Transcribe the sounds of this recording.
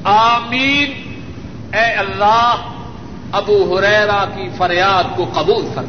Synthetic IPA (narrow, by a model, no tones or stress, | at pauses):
aːmiːn | ɛːɐlːaːɦ | ɐbuːɦʊɾɛːɾakifɐɾjaːd̪̚koqɐbuːlfɐɾma